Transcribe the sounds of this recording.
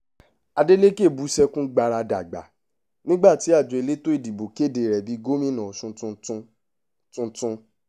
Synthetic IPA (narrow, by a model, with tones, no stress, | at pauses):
a˧de˦le˦ke˦˨bu˨˦sɛ˦kũ˦ɡ͡ba˧ɾa˧da̰˨ɡ͡ba̰˨ | nĩ˦ɡ͡ba˦˨ti˨˦a˦˨d͡ʒo˨e˧le˦to˦i˦˨di˨bo˨ke˦˨de˨ɾɛ˨bi˨˦ɡo˦mĩ˦nã˨ʃũ˧ũ˧˦ | tũ˧tũ˦˧